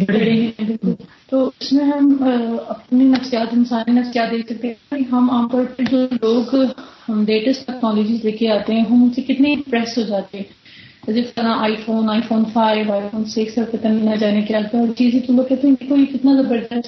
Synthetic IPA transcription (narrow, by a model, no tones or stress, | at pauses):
ɽẽɦɛ̃ɛ̃ːbɪlkʊl | t̪oːʊsmẽɦɐmɐpninɐfsijaːt̪ɪnsaːninɐfsijaːt̪̚d̪eːksɐk̚t̪eɦɛ̃aːkiɦɐmaːmt̪ɔːɾpəɾd͡ʒoːloːɡmɖeːʈəsʈɛːknɔːloːd͡ʒɪzleːkʰeaːt̪eɦɛ̃ːɦɐmʊnsekɪt̪nepɾɛːsɦoːd͡ʒaːt̪eɦɛ̃ː | d͡ʒɪst̪əɾãːʔaːifoːnaːifoːnfʰaːɪʋaːifʰoːnseːksəkɪt̪ənɪnad͡ʒaːnekeaːt̪aɔːɾt͡ʃiːzẽt̪oloːɡ̚kɛt̪ẽɦɛ̃d̪eːkʰoikɪt̪nazɐbəɾd̪əs